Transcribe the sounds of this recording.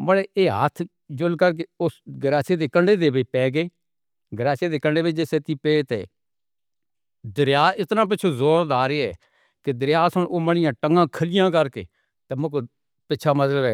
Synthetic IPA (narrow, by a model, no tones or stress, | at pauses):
bəɽeːʔeːɦə̰t̪ʰ | d͡ʒʊlkəɾk̬eːʊːsɡəɾaːseːd̪eːkəɳɖeːd̪eːbeːpɛːɡeː | ɡəɾaːseːd̪eːkəɳɖeːʋet͡ʃd͡ʒ̪eːseːt̪iːpeːt̪ḛː | d̪əɾjaːɪt̪nãːp̬ɪt͡ʃʰoːzoːɾd̪aːɾeːɛː | ked̪əɾjaːsənoːməɳɪjãːʈəŋɡãːkʰəlɪjãːkəɾkḛː | t̪eːmʊko | pɪːt͡ʃʰaːmət̪ləbɛː